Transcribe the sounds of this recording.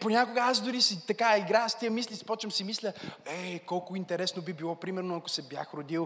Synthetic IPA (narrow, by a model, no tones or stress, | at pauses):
ponʲakoɡəazd̪ʊɾisit̪ɐkaiɡɾast̪iəmislʲispɔt͡ʃəmsimislʲəɛkɔlˠkoint̪ɛɾɛsnobibilˠɔpɾimɛɾnoɐko̥sɛbja̰xɾod̪ilˠ